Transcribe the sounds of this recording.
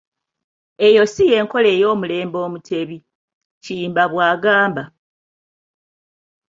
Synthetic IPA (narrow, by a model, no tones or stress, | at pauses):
e̞jo̞sije̞ːŋko̞le̞ːjo̞ːmule̞ːmbo̞ːmutʰe̞βi | ciːmbaβwaːɡaːmba